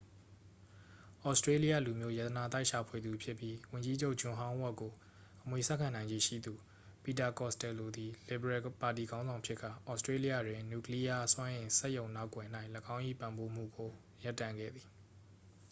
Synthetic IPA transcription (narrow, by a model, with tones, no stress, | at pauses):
ʔɔ˦ʊstɹe˦li˦jä̰˦˨lu˨mjo˦ja˦˨t̪əna˨t̪a˦ɪʔʃa˨pʰwe˨d̪u˨pʰjɪ˦pːji˦wʊ̃˨ɲd͡ʑi˦d͡ʑo˦ʔd͡ʑʊ̃˨ɦã˦ʊ̃wɔ˦ʔko˨ | ʔəmwe˨sa˦ʔkʰã˨nã˨ɪ̃ɲd͡ʑi˦˨ʃḭ˦˨d̪u˨ | pi˨ta˨kɔ˦˨stɛ˨lo˨d̪i˨lɪ˨bə˨ɹɛ˦ʔpa˨ti˨ɡã˦ʊ̃zã˨ʊ̃pʰjɪ˦ʔkːa̰˦˨ʔɔ˦stɹe˦li˦ja̰˦˨dwɪ̃˨nju˦˨kli˦ja˦swã˦ʔɪ̃˨sɛ˦ʔjõ˨ʊ̃na˦ʊkwɛ˨n̥a˦ɪʔləɡã˦ʊ̃ʔḭ˦˨pã˨mbo˦m̥ṵ˦˨ɡo˨ | ja˦tːã˦˨ŋɡɛ̰˦˨d̪ði˨